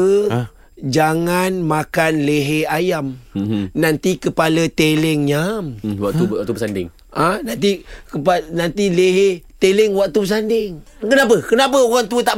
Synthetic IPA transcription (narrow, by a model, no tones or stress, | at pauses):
d͡ʒaŋanmakanleɦeajamnant̪ikəpalat̪elɛŋɲamwaʔt̪ut̪ubəsandɪŋ | anant̪ikəpanant̪ileɦet̪elɛŋwakt̪ubəs̬andɪŋ | kənap̬əkənap̬əoɣaŋt̪uət̪aʔ